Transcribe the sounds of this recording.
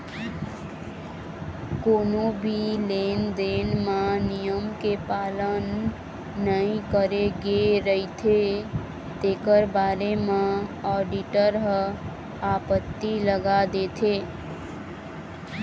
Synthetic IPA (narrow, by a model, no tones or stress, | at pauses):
koːnobʱileːnd̪eːnmãnijəmkepaːlənː | əĩkəɾeɡeɾəɦit̪ʰe | t̪eːkəɾbaːɾemãɔːɖiʈəɾɦə | aːpət̪ːiləɡad̪et̪ʰeː